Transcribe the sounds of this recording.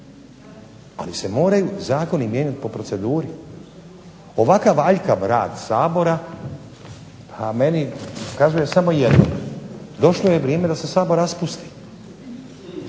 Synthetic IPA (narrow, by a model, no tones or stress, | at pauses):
a̰lise̞mo̞ːɾajuzaːko̞nimjeɲat̪i̥po̞pɾo̞tse̞d̪uːɾi | o̞ʋakaʋaʎkaʋɾa̰ːd̪saːbo̞ɾa | pʰame̞nikazuje̞samo̞jed̪no̰d̪o̞ʃlˠojeʋɾieme̞d̪ase̞saːbo̞ɾaspust̪i̥